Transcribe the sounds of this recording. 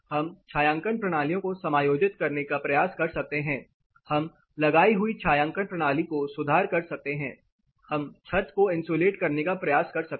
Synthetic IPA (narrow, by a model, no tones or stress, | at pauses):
hɐmt͡ʃʰaːjãːŋkənpɾɐɽ̃aːlijõkosɐmaːjoːd͡ʒɪt̪kɐɾnekapɾɐjaːskɐɾsɐk̚t̪eɦɛ̃ː | hɐm | lɐɡaːiɦʊit͡ʃʰaːjãːŋkənpɾɐɽ̃aːlikosʊd̪ʱaːɾkɐɾsɐk̚t̪eɦɛ̃ː | hɐmt͡ʃʰɐt̪koɪ̃nsoːleːʈkɐɾnekapɾɐjaːskɐɾsɐk̚